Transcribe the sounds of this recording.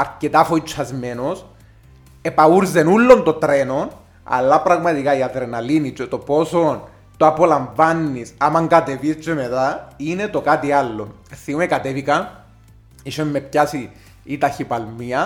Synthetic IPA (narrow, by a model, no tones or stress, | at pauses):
ɐɾket̪afoit͡ʃʰːazme̞nos | epauɾzenulːo̞nt̪o̞t̪ɾenon | a̰lːapɾɐɣmɐt̪ikaiaðɾenalinit͡ʃot̪opo̞son | t̪oapo̞laɱvanːisamaŋɡat̪evist͡ʃemet̪ainet̪o̞kat̪ialːo̰n | θiumekat̪evikɐ | iʃommepçasiː | t̪açipalmiɐ